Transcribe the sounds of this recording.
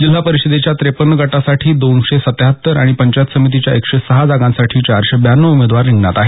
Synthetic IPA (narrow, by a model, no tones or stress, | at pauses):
d͡ʑilɦapəɾiɕəd̪et͡ɕjat̪ɾepənːəɡaʈasaʈʰiːd̪onɕesət̪ɦət̪ːəɾaɽ̃ipəɲt͡ɕat̪səmit̪̬it͡ɕja̰ekɕesəɦad͡zaɡãnsaʈʰiːt͡ɕaɾɕebjanːəumed̪ʋaɾːiŋɡnat̪aɦe